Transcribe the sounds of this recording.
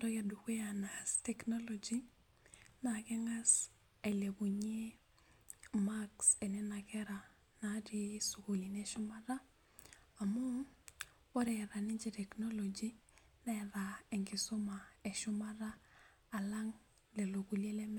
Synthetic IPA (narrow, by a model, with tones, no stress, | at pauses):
ɾɔ˦ja˨du˨kwe˦a˨na˨stɛ˨kno˦lo˨d͡ʒi˦ | na˨kɛ˦ŋa˦s | e˨le˨ku˨ɲe˦ | ma˦kse˨nɛ˦na˨kɛ˦ɾa˨ | na˦di˦su˨ku˨li˨neʃʊ˦ma˦ɾa˦ | a˨mu˦ | o˦ɾɛ˨ɾa˨ni˦d͡ʒe˨tɛ˨kno˦lo˨d͡ʒi˦ | nɛ˦ɾae˨ŋɡɪ˨so˦ma˨e˨ʃʊ˦ma˦ɾaː˦˨ | la˦ŋ | lɛ˨lo˨ku˨le˦lɛ˦m